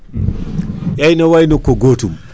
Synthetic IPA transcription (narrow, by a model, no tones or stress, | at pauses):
jajnawajnɔkːoɡotum